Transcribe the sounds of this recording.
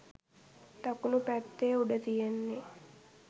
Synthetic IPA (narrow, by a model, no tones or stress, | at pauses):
t̪akunupæt̪ːeːuɖət̪ijenːe